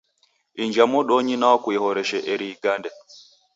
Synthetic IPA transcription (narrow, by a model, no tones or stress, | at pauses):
iɲd͡ʒamɔɗɔɲinawɔkuɛhɔɾɛʃɛʔɛɾiːɡandɛ